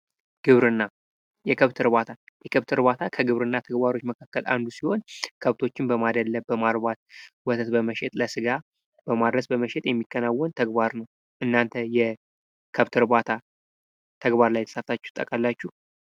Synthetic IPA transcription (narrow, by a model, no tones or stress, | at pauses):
ɡ̥ɨβɾɨnːa | jɛkʰəβt̪ʰɨɾβat̪ʰajɛkʰəβt̪ʰɨɾβat̪ʰakʰəɡɨβɾɨnːat̪ʰəɡbaɾo̞t͡ʃːməkʰakːəla̰nd̪usiho̞nkʰəβt̪ʰo̞t͡ʃːɪnbəmad̪əlːəbbəmalbat̪̚wɔt̪ʰət̪bəməʃɛt̪ʼləsɨɡa | b̥əmad̪ɾəsbəməʃet̪ʼjɛmːikːənawːɔnt̪ʰəɡβaɾnəw | ʔɨnːant̪ʰəjɛ | kʰəβt̪ʰɨɾbat̪ʰa | t̪ʰəɡbaɾlajɛt̪ə̥səft̪ʰat͡ʃːɛ̥t̪ʼːə̰kʼalːat͡ʃːuh